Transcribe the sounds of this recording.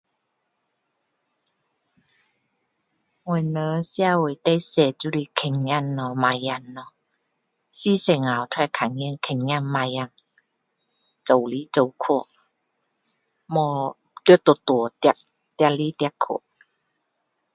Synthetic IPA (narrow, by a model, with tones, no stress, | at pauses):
wo˧˨˩jnə˨˦sja˧wo˨˩jt̪e˧˦jsɛ˨˧˩t͡su˧˦li˧kʰe˨˩ŋɲa˧˨nːɔ˨˧˩ma˧ja˧˨nːɔ˧ | si˦˨se˨˩ŋa˨˩wt̪ʰɛ˧˨kʰa˨˩ŋji˧˨ŋkʰe˨˩ŋɲa˧˨ŋma˧ja˧˨ŋ | t͡so˨wli˨˦t͡so˨˩wkʰo˧˩ | mɔ˧ | kə˧˦t̪o˨˩t̪u˨t̪ʔ̚ | t̪ja˧li˦t̪ja˧kʰːo̰˨˩˨